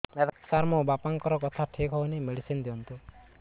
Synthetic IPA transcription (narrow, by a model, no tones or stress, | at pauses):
et̪saɾmɔbapaŋkɔɾɔkɔt̪ʰaʈʰikɦɔwnimeɽisind̪iɔnt̪u